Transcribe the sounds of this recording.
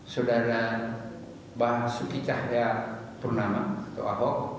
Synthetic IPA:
sodaɾa | basukit͡ʃahjapərnamat̪o̰ʔaɦɔk̚

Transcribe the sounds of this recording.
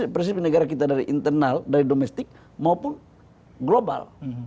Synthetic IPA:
pɾs̬ipinəɡaɾakit̪adaɾiʔint̪ərnaldaɾidomɛst̪ɪk̚ | maupʊn | ɡloba̰l

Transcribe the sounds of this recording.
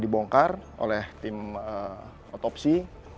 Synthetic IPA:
diboŋkarʔo̰lɛht̪ɪmə | ot̪ɔp̚si

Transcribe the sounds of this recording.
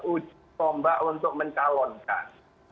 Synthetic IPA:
ʔu̥d͡ʒ̥ | sɔmbaʔunt̪ʊk̚məɲt͡ʃalɔnka̰n

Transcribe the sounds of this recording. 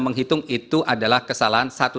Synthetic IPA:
məŋɦit̪ʊŋit̪uadalahkəsalaɦansat̪u

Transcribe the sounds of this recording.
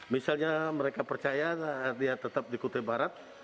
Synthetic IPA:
misalɲaməɾekapərt͡ʃajadiat̪ət̪ap̚dikut̪ebaɾat̪̚

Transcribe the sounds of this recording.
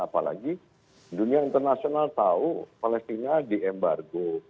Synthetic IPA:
apala̰ɡi | duniaint̪ərnasionalt̪aupalɛst̪inadiɛmbarɡo

